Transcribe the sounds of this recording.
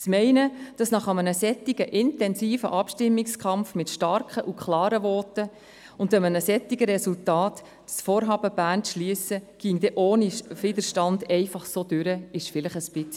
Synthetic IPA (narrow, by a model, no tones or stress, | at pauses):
t͡smɛɪnəd̥ɑsnɑχɑmənəsɛtːiɡ̥əʔɪntɛnsiːfə̰ʔɑpʃtɪmːɪkskʰɑmfmɪtʃtɑɾkəʔukχlɑːɾəvɔːtə | ʊndəmənəsɛtːiɡəɾɛsultɑːt | sfoːɾɦɑːbəb̥æːnt͡sʃliəsəɡ̥iːŋd̥ɛʔoːnivid̪əɾʃtɑndɛɪfɑχsod̥ʉɾəɪʃfɪlɪχəspɪt͡s